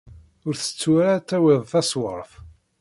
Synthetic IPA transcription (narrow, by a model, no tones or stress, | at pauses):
ʊɾθə̥t͡sːwæɾat̪ːæwɪðˤθæswəɾˤf